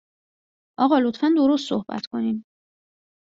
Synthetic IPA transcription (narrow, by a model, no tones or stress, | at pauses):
ʔɒːɣɒːlot̪fænd̪o̞ɾos̬t̪sohbæ̰t̪ʰkʰo̞nim